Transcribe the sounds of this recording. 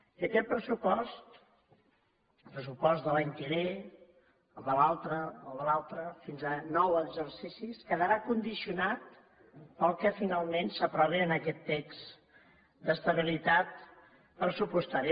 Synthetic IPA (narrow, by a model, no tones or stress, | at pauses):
əkɛt̪̚pɾəsupɔst̪ | pɾəsupɔzt̪ðəlaɲkiβe | əðəlalˠt̪ɾəəːlˠðəlalˠt̪ɾəfinzənɔwəɡzərsisiskəðəɾakund̪isiunat̪ | pəlˠkəfinalˠmensəpɾɔβiənəkɛt̪ːeks | d̪əst̪əβ̞ilit̪at̪ | pɾəsupust̪aɾi